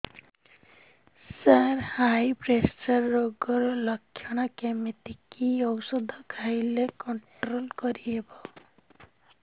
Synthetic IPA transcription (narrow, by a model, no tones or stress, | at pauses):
saɾhajbɾest͡ʃʌɾːoɡɔɾɔlʌkʰːjɔɽ̃ɔkemit̪ikiɔwsɔd̪ʱɔkʰajlekɔɳʈɾolkɔɾiebɔ